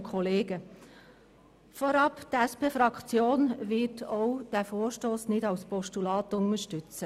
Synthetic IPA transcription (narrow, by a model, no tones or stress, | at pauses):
kʰɔleːɡə | fɔɾɑptæspeːfɾɑkt͡sjoːnʋɪtɔwd̥æfoːʃtoːsnɪdɑwspɔʃtulɑːtʊŋəʃtʏt͡sə